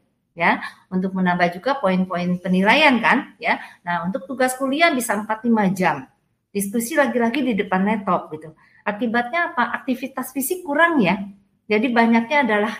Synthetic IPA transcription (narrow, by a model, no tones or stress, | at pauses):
ja | unt̪ʊk̚mənabahd͡ʒuɡapoinpoɪnpənilajankanjanahunt̪ʊk̚t̪uɡaskulianbisampat̪limad͡ʒam | dist̪usilaɡilaɡididəpanːɛt̪ɔp̚ɡit̪u | ʔakibat̪̚ɲaːpaʔak̚t̪ifit̪asfisɪkːuɾaŋja | d͡ʒadibaɲak̚ɲaːdalah